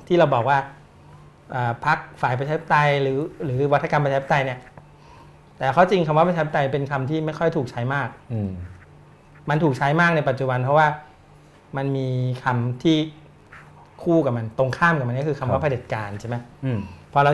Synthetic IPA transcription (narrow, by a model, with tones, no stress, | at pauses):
t̪ʰiː˥˩ɾa˧wbɔː˨˩k̚waː˥˩ | ʔəː˨˩pʰa˦˥k̚faː˨˩˦jpa˧t͡ɕʰa˧i˦˥t̪a˧jɾɯː˩˦ɾɯː˩˦wa˦˥t̪ʰːa˧ka˧mpaː˧˦˥t̪a˧jni˥˩ɐ | t̪ɛː˨˩kʰa˦˥˩wt͡ɕi˧ŋkʰa˧mwa˥pʰa˧t͡ɕʰaː˧˦˥t̪a˧jpe˧nkʰa˧mt̪ʰiː˥˩ma˥˩jkʰɔ˥˩jt̪ʰuː˨˩k̚t͡ɕʰa˦˥jmaː˥˩k̚ | ma˧nt̪ʰu˨˩k̚t͡ɕʰa˦˥jmaː˥˩k̚na˧jpa˨˩t̪̚t͡ɕu˨˩ba˧npʰɔ˦˥waː˥˩ | ma˧nmiː˧kʰa˧mt̪ʰiː˥˩ | kʰuː˥˩ka˨˩p̚ma˧nt̪o˧ŋkʰaː˥˩mka˨˩ma˧nkɔ˥kʰɯː˧kʰa˧mwaː˦˥˩pʰa˧de˨˩t̪̚kaː˧nt͡ɕʰe˥˩ma˦˥pʰɔː˧ɾa˧